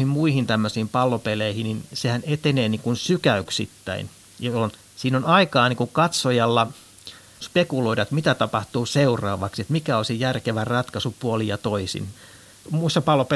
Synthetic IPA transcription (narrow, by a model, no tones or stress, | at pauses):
himmuihint̪æmːøsiːmpɑlːopeleihininsehænet̪eneːniːŋkunsykæyksḭt̪ːæ̰in | jɑon | siːnonɑikɑːniːŋkuŋkɑt̪sojɑlːɑ | spekuloiɾɑt̪mit̪æt̪ɑpɑht̪uːseurɑ̰ːʋɑksiet̪mikæoisijjærkeʋærrɑt̪kɑsupuolijɑt̪oisḭn | muisːɑpɑlːope